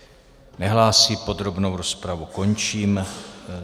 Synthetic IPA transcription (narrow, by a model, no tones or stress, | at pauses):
nɛɦlaːsiːpo̞d̪ɾo̞bno̞wɾo̞spɾavuko̞nt͡ʃiːm